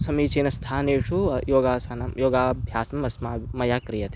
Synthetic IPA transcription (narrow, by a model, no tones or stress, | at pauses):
sɐmiːt͡ʃeːnɐst̪ʰaːneːʂujoːɡaːsɐnajoːɡaːbʱjaːsɐmɐsmaːmɐjaːkɾijɐt̪